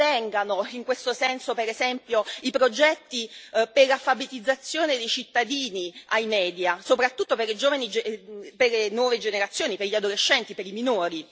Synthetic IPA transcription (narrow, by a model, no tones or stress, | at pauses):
ɛŋɡanoiŋkwest̪osɛnsopeɾezɛmpjoipɾod͡ʒɛt̪ːiperlafːabet̪id̪zːat̪sːjoːned̪ejt͡ʃit̪ːad̪iːniajmɛːd̪jasopɾat̪ːut̪ːoperlid͡ʒoːvanid͡ʒeperlenwɔːved͡ʒeneɾat̪sːjoːniperʎiad̪oleʃːɛnt̪ipeɾiminoːɾi